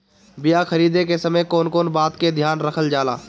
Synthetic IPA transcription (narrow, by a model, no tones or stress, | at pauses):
bɪjaxʰɐɾiːd̪ekesɐməjkoːnkoːnbaːt̪ked̪ʱjaːnɾɐkʰəld͡ʒaːla̰ː